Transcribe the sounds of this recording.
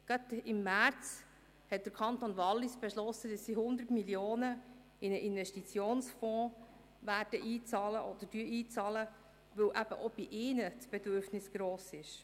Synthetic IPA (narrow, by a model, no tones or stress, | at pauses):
ɡ̥ɑt̪ɪmːæɾt͡s | hɛt̚d̥̪əɾkʰɑnt̪onʋɑlːisb̥ɛʃlɔsːədɑsːihʊnd̪ətmiljoːnə | inəʔinʋɛʃtit͡sjoːnsfɔ̃ː | ʋæːɾd̥əʔiːt͡sɑːləʔɔd̪ədyiːt͡sɑːlə | ʋɵwʔæb̥əʔob̥iʔɪːnət͡sb̥ɛdøɾfnɪsɡ̥ɾoːsɪʃ